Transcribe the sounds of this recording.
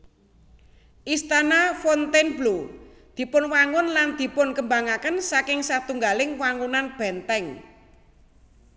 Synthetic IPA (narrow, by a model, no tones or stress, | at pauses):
ʔist̪anafɔnt̪enblu | d̪̥i̤pʊnwaŋʊnland̪̥i̤pʊnkəmbaŋakənsakɪŋsat̪uŋɡalɪŋwaŋunanb̥ɛnt̪ɛŋ